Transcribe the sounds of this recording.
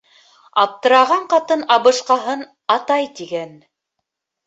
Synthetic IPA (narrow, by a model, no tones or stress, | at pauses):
ɑp̚t̪ɤ̆ɾɑʁɑɴqɑt̪ɤnɑβɤ̆ʃqɑɦɤn | ɑt̪ɑjt̪iɡæn